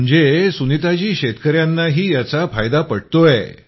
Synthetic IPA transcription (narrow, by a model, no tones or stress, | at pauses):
əɳd͡zesunit̪at͡ɕiːɕet̪kəɾjanːaɦiːjat͡safajd̪apəɽt̪ojḛ